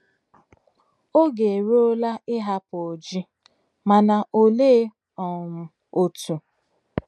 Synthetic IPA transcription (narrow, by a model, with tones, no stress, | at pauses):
o˦ɡe˨e˨ɾe˦o˦la˦ɪ˦ɦa˦po˨o˨d͡ʒi˦ | ma˨na˨ʔo˦le˦ | ɔ˨m̩˨ | o˨tu˨